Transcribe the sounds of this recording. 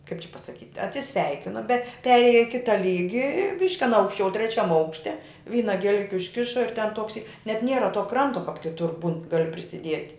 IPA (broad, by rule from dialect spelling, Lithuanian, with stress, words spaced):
kɐɪp t͡ʃʲɛ pɐsɐˈkʲiːtʲ ɐtʲsʲɪˈsʲʋʲɛɪkʲɪnoː bʲɛ ˈpʲæːrʲeːjɛ ɪ ˈkʲɪtɐ ˈlʲiːɡʲɪ ɪr ˈbʲɪʃʲkʲɪ ɐˈnɐ ɐʊkʃʲˈt͡ʃʲɛʊ tʲrʲɛˈt͡ʃʲɛm ˈɐʊkʃʲtʲɛ ˈʋʲiːnɐ ɡʲiɛˈlʲɪkʲɪ ʊʃʲˈkʲɪʃɐ ɪr tʲɛn ˈtoːks iː nʲɛt ˈnʲiɛrɐ toː ˈkrɐntoː kɐp kʲɪˈtʊr buːn ˈɡɑːlʲɪ pʲrʲɪsʲɪˈdʲiɛtʲ